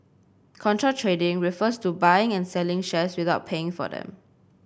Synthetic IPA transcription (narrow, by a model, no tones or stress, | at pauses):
kʰɔ̃ntʰɹətʰɹedɪ̃ŋɹifəstubaɪɪ̃ŋɛ̃nsɛlɪ̃ŋʃɛswɪθaʊt̚pʰeɪ̃ŋfɔ̰dɛ̰̃m